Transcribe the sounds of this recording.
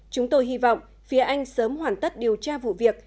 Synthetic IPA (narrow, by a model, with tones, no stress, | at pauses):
t͡ɕʊ˨˦ŋ͡mt̪o˧jɦi˧vɔ̰˧˨wŋ͡m | fi˨˦əʔa˧jŋ̟səː˨˦mhwaː˧˩nt̪ə˦˥t̚ɗi˨˩əwt͡ɕaː˧vṵ˧˨vi˨˩ək̚